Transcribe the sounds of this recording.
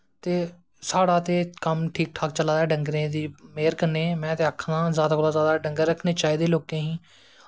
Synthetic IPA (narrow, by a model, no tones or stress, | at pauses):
t̪eː | saːɽaːt̪eːkəmʈʰiːk̚ʈʰaːk̚t͡ʃəlaːd̪ɛːɖəŋɡɾẽːd̪iːmeːɾkəneːmɛ̃ːt̪eːəkʰnãːzjaːd̪aːkoːlaːzjaːd̪aːɖəŋɡəɾːəkʰneːt͡ʃaːiːd̪eːloːkẽːɦĩː